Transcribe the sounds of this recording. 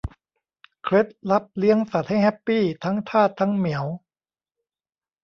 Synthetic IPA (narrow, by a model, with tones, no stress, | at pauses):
kʰɾe˦˥t̪̚la˦˥p̚li˦˥əŋsa˨˩t̪̚ha˥˩jhɛ˦˥pːiː˥˩t̪ʰa˦˥ŋt̪ʰaː˥˩t̪ʰːa˦˥ŋmi˩˦əw